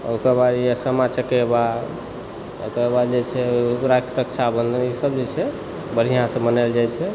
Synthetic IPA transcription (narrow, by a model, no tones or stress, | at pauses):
o̰kəɾbad̪jesəmat͡ʃʰəkeba | o̰kəɾbad̪d͡ʒet͡ʃʰɛɾakt̪əkt͡ʃʰabənd̪ʱənisəbd͡ʒet͡ʃʰɛ | bəɾ̤ijãsə̃mənald͡ʒajt͡ʃʰɛ